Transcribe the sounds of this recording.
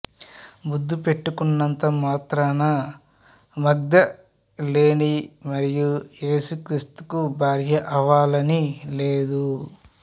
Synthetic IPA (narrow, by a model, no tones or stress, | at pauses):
bud̪ːupe̞ʈːukunːɐnt̪ɐmaːt̪ɾanɐ | mɐɡd̪ɐ | le̞ːnimɐɾijuje̞ːsukɾiːst̪u̥kubʱaːɾjɐʔɐʋaːlɐnile̞ːd̪u